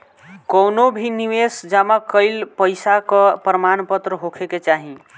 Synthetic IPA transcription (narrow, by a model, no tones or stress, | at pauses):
kəwnobʱiniʋesd͡ʒamakəɪlpəɪsakɔpɾəmanpət̪ɾəɦokʰeket͡ʃaɦĩ